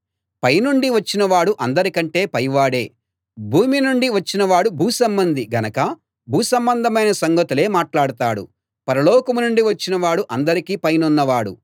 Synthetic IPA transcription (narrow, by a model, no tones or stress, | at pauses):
pɐjnuɳɖiʋɐt͡ʃːinɐʋaːɽuʔɐnd̪ɐɾikɐɳʈe̞ːpɐjʋaːɽe̞ː | bʱuːminuɳɖiʋɐt͡ʃːinɐʋaːɽubʱuːsɐmbɐnd̪iɡɐnɐkɐ | bʱuːsɐmbɐnd̪ʱɐmɐjnɐsɐŋɡɐt̪ule̞ːmaːʈlaːɽut̪aːɽṵ | pɐɾɐlɔːkɐmunuɳɖiʋɐt͡ʃːinɐʋaːɽuʔɐnd̪ɐɾikiːpɐjnunːɐʋaːɽṵ